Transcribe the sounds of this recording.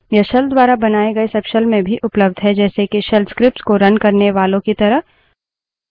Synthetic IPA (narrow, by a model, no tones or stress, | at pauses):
jɐʃəld̪ʋaːɾabɐnaːeɡɐesɐpʃəlmẽbʱiʔʊpləb̚d̪ʱɦɛd͡ʒɛːsekiʃɛlskɾɪp̚ʈskoɾɐnkɐɾneʋaːlõkit̪ɐɾəɦ